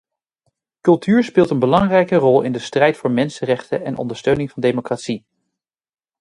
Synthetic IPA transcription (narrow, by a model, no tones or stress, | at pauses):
kɵlˠtʰyːɹspɪːlˠtənbəlɑŋrɛjkərɔlˠɪ̰ndəstrɛjtfʊːɹmɛnsərɛχtəɛnʔɔ̰ndəɹstøɥnɪŋvɑndejmokratsi